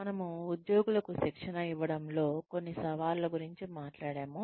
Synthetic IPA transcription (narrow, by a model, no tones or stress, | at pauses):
mɐnɐmuːd̪jo̞ːɡulɐkuʃikʂɐnɐiʋːɐɽɐmlo̞ːkonːisɐʋaːllɐɡuɾiɲt͡ʃimaːʈlaːɽaːmu